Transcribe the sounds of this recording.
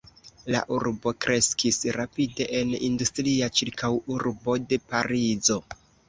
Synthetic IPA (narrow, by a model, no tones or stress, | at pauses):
la̰ʔuɾbo̞kɾʔe̞skʰisɾapide̞ʔenindustɾiat͡ʃiɾkʰawuɾbo̞de̞paɾizo̞